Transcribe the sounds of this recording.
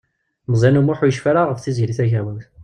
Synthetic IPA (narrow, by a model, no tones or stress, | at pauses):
məzˤænumuħujəʃfæɾaʁəfθizɾiθæʝæwənθ